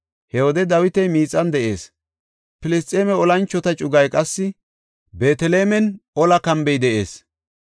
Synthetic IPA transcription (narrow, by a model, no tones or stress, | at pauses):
hɛwɔd̪ɛd̪ɐwɪt̪ɛjmiːt͡sʼːɐnd̪ɛʔe̞ːs | pɪlɪst̪ʼeːmɛɔlɐnt͡ʃːɔt̪ɐt͡ʃʼʊɡɐjkʼɐsːɪ | beːt̪ɛleːmɛnɔlɐkɐmbɛjd̪ɛʔe̞ːs